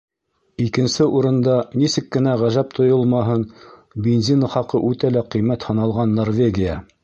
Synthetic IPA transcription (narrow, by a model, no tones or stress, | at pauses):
ikɘ̆nsɘʔuɾɤ̆nd̪ɑnisɘkːɘ̆næʁæʒæp̚t̪ʰŏjɤlˠmɑɦɤnbʲenzʲinχɑqɤʔʉt̪ælæqɤ̆jmæt̪hɤ̆nɑlˠʁɑnːorvʲeɡʲɪjə